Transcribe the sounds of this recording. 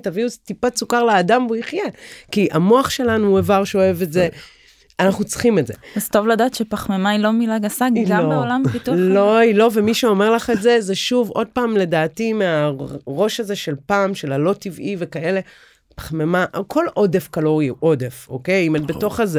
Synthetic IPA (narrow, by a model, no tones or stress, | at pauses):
taviuztipat͡sukaʁlaːdamoiχjekiʔamo̞aχʃe̞lanuevaʁʃeoe̞vetze̞ | anaχnut͡sχime̞tzḛvazt̪o̞vladaːtʃepaχmemailo̞milaɡasaɡiɡobeolampitulo̞ilo̞vemiʃeo̞me̞ʁlaχe̞tze̞zeʃuvo̞d̚paːmle̞daːtimeaʁo̞ʃaze̞ʃe̞lpaːmʃe̞lalo̞tivivekae̞le̞ | pḁχmemaʔkʰo̞lo̞de̞fkalo̞ʁjuʔo̞defo̞̰ke̞jimetbeto̞χaze